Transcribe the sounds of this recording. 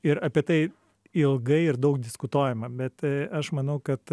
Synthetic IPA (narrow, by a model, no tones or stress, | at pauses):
ɪɾɐpʲiɛt̪ɐɪ | ɪlˠɡɐɪɪɾd̪ɐʊkd̪ʲɪskʊt̪oːjɛmɐbʲɛt̪ɐʃmɐnɐʊkɐt̪